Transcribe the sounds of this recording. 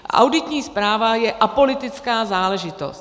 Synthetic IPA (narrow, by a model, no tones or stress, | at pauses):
ʔa̰wdɪt̪ɲiːspɾaːvajɛʔapo̞lɪt̪ɪt͡skaːzaːlɛʒɪt̪o̞̰st̪